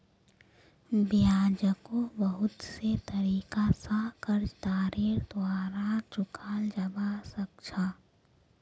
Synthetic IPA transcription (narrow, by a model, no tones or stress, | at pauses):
bɪjaːd͡ʒəkõbəɦʊt̪set̪ɐɾiːkasakəɾd͡ʒt̪aːɾeːɾd̪waːɾat͡ʃʊkʰaːld͡ʒɐbasəkt͡ʃʰaː